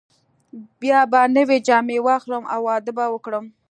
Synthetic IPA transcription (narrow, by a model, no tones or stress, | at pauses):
bjɑbanəwed͡ʒɑmewɑxləmʔa̰wːɑd̪əbawəkɽəm